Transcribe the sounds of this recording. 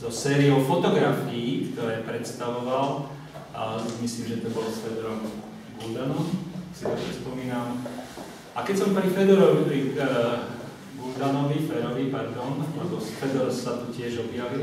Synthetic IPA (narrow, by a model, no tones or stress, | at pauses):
zɔsɛːɾiɔʊfɔt̪ɔɡɾafiːkt̪ɔɾɛːpɾɛt̪st̪aʋɔʋal | simisliːmʒɛt̪ɔbɔlsfɛd̪ɾɔm | ɡuld̪anɔmsit̪ɛɛspɔmiːnam | akɛcsɔmpɾifɛd̪ɔɾɔʋipɾi | ɡuld̪anɔʋifɛd̪ɔʋipaɾd̪ɔnlɛbɔsfɛd̪ɔɾɔsat̪ucɪɛʒɔbjaʋil